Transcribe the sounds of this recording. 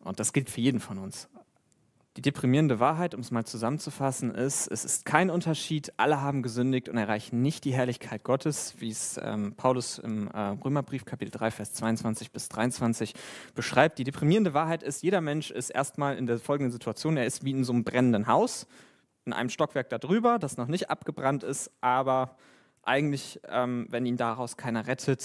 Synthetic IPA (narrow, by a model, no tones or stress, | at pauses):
ʔʊ̰nt̚d̥asɡ̥ɪltfyːɐjeːdm̩fɔnʊns | d̥iːdepʁ̥imiːʁəndəvaːɐɦaɪtʊmɛsmaːlt͡suzamənt͡sufasn̩ʔɪstɛ̰sɪ̰stkʰaɪnʔʊntɐʃiːtʔa̰ləɦaːbm̩ɡəzʏndɪç̚tʊntɛɐʁaɪçn̩nɪçt̚d̥iːɦɛɐlɪçkʰaɪt̚ɡ̥ɔtʰəsv̥iːɛsʔɛ̰ːmpʰaʊlʊsɪ̰mɛʁøːmɐbʁiːfkʰapɪtl̩d̥ʁaɪfɛːɐst͡sv̥aɪʊnt͡sv̥ant͡sɪçb̥ɪsd̥ʁaɪʊnt͡sv̥ant͡sɪçb̥əʃʁ̥aɪp̚td̥iːdepʁ̥imiːʁəndəvaːɐɦaɪtʔɪstjeːɾɐmɛnʃɪ̰stʔḛːɐstmaːlɪ̰ndeːɐfɔlɡŋ̩dən̩zitʰuat͡sjoːneːɐɪstv̥iːɪnzoːnəmbʁɛnəndənɦaʊs | ʔɪnʔa̰ɪnəmʃtɔkv̥ɛɐk̚d̥adʁyːbɐdasnɔχnɪçtʔa̰pɡ̥əbʁantɪstʔaːbɐ | ʔa̰ɪɡŋ̩tlɪçʔɛːmvɛniːndaʁaʊskʰaɪnɐʁɛtʰət